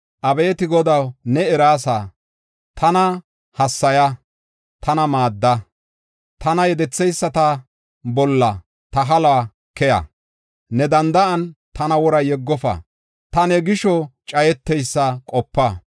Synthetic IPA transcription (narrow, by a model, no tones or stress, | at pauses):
ʔɐbeːt̪ɪɡɔd̪ɐwnɛɛɾaːs̬a | t̪ʰɐnɐ | hɐsːɐjɐ | t̪ʰɐnɐmaːd̪ːɐ | t̪ɐnɐjɛd̪ɛt͡sːɛjsːɐt̪ɐ | bɔlːɐ | t̪ɐɦɐlaː | kɛjɐ̰ | nɛd̪ɐnd̪ɐɐnt̪ɐnɐwɔɾɐjɛɡːɔfɐ̰ | t̪ɐnɛɡɪʃɔt͡ʃʼɐjɛt̪ːɛjsːɐkʼɔpːɐ